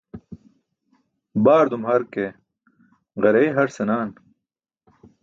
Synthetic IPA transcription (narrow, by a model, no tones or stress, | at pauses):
baːɾd̪umhɐɾke | ʁɐɾeiɦɐɾsenaːn